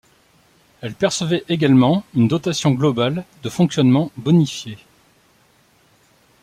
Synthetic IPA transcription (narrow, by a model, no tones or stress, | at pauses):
ɛlpɛʁsəvɛʔeɡʲalmɑ̃ynd̪ɔt̪asjɔ̃ɡlɔbald̪əfɔ̃ksjɔnmɑ̃bɔnifje